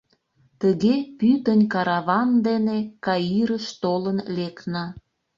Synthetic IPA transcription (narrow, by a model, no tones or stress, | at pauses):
t̪əɣepyt̪ənʲkɑɾɑβɑnd̪enekɑiɾəʃt̪olənleknɑ